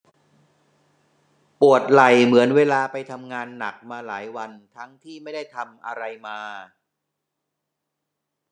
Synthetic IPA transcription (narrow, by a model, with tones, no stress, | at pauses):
pu˨˩ət̪̚la˨˩jmɯ˩˦ənweː˧laː˧pa˧jt̪ʰa˧mŋaː˧nːa˨˩k̚maː˧laː˩˦jwa˧nt̪ʰa˦˥ŋt̪ʰiː˥˩ma˥˩jda˥˩jt̪ʰa˧mʔa˧ɾa˧jmaː˧